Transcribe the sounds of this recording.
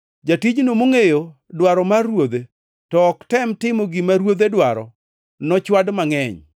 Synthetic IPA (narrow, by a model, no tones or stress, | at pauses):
d͡ʒatid͡ʒnomoŋejo | dwaɾɔmarːwod̪e | tɔːktɛmtɪmoɡɪmaɾwod̪edwaɾɔ̰ | nɔt͡ʃwadmaŋɛɲ